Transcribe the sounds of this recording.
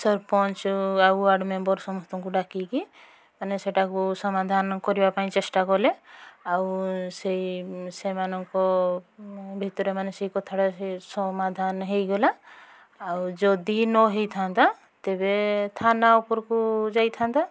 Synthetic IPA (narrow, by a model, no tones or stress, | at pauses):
sɔɾpɔnt͡ʃauaɽmebɔɾsɔmɔst̪ɔŋkuɖakiki | maneseʈakusɔmad̪ʱankɔɾibapaĩt͡ʃesʈakɔleawseisemanɔŋkɔ | bʱit̪ɔɾemaneseikɔt̪ʰaɽasɔmad̪ʱanɦejɡola | ad͡ʒɔd̪inɔɦejt̪ʰant̪a | t̪ebet̪ʰanaupɔɾkud͡ʒajt̪ʰant̪a